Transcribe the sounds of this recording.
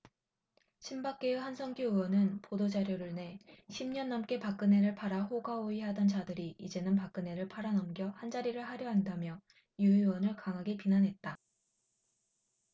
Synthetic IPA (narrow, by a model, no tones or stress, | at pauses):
ɕʰimbak͈̚e̞uhansʰʌŋɡjoɯwʌnɯnpodod͡ʑaɾjoɾɯɭne̞ɕʰimɲʌnːʌmk͈e̞pak͈ɯne̞ɾɯɭpʰaɾaɦoɡaoiɦadʌnt͡ɕadɯɾiid͡ʑe̞nɯnpak͈ɯne̞ɾɯɭpʰaɾanʌmɡjʌhand͡ʑaɾiɾɯɭɦaɾjʌɦandamjʌ | juɯwʌnɯɭkaŋɦaɡepinanɦe̞t̚t͈a